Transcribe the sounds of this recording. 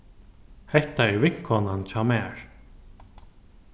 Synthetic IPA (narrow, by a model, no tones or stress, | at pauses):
hɛht̪aɛɾvɪŋ̥kʰɔːnant͡ɕʰaːmɛːɹ̥